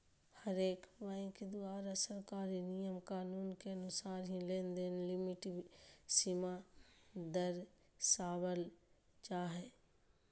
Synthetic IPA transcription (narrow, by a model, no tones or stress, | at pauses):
həɾeːkbãːked̪ʊaːɾasəɾkaːɾinijəmkaːnuːnkeɐnʊsaːɾɦĩlẽːnd̪eːnlɪmɪʈsima | d̪əɾ | saːʋəl | t͡ʃaːɦeː